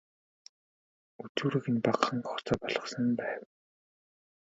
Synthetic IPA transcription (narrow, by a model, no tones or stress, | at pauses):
ut͡suːɾɘ̆ɣɘ̆npaqχə̆ŋɢɔχt͡sɔːpɔɮʁɞ̆sə̆mpæːw